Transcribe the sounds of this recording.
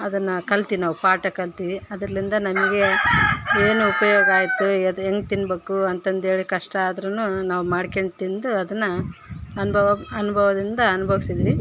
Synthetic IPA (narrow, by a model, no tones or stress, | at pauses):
ɐd̪ɐnːɐkɐlt̪iʋinaːʋupaːʈɐkɐlt̪iʋiɐd̪ɾɐlind̪ɐnɐmɐɡe̞ | eːnuːpɐjoːɡɐaːjit̪ːud̪eŋɡt̪inːbe̞ːkuɐnt̪ɐnd̪e̞ːɭikɐʂʈɐaːd̪ɐɾɐnːunaːʋumaːɖkeɳʈt̪ind̪uɐd̪ɐnːɐɐnbʱɐʋɐɐnubʱɐʋɐd̪ind̪ɐɐnubʱɐʋisid̪iʋi